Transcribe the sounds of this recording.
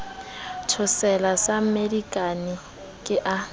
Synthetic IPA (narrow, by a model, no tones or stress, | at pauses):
tʰʊsɛlasamerikʼanɪ | kʼɪʔa